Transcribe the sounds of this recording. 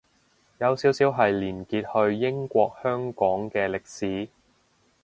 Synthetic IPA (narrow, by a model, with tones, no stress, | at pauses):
jɐ˨˧wsiː˨˥wsiː˨˥wɦɐ˨jliː˨˩nkiː˧t̚hɵ˧ɥːɪ˥ŋkʷɔː˧k̚hœː˥ŋkɔː˨˥ŋkɛː˧lɪ˨k̚siː˨˥